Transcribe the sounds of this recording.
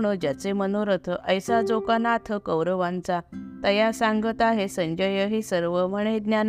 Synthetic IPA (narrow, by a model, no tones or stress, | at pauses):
ɳ̃əd͡ʑjat͡semənoɾət̪ʰəʔəjsad͡zokanat̪ʰəkəwɾəʋãnt͡sat̪əjasãŋɡət̪aɦesə̃ɲd͡ʑəjəɦisəɾʋəməɽ̃ed̪njan